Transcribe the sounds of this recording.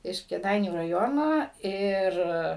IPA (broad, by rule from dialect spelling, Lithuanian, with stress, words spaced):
ɪʃ kʲeːˈdɐɪnʲuː rɐˈjoːnoː ˈɪr